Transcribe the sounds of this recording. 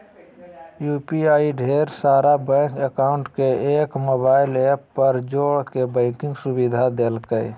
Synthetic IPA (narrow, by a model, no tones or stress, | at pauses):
juːpiaːiɖʱeːɾsaːɾabɛ̃ːkekaːʊ̃ɳʈkeeːkmoːbaːɪleːpːəɾd͡ʒoːɽkebɛ̃ːkɪ̃ŋɡsʊbid̪ʱad̪eːlkəɪ